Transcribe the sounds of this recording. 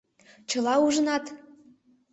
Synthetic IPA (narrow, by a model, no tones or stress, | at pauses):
t͡ɕɤ̆lɑuʒə̆nɑt̪